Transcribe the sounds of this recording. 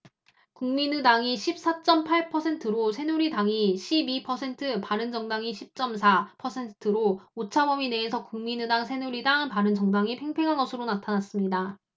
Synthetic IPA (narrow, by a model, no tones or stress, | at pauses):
kuŋminɯdaŋiɕʰip̚s͈at͡ɕ͈ʌmpʰaɭpʰʌsʰe̞ntʰɯɾosʰe̞nuɾidaŋiɕʰibipʰʌsʰe̞ntʰɯpaɾɯnd͡ʑʌŋdaŋiɕʰip̚t͡ɕ͈ʌmsʰapʰʌsʰe̞ntʰɯɾoot͡ɕʰamʌmine̞ːsʰʌkuŋminɯdaŋsʰe̞nuɾidaŋpaɾɯnd͡ʑʌŋdaŋipʰe̞ŋpʰe̞ŋɦanɡʌsʰɯɾonatʰanas͈ɯmɲida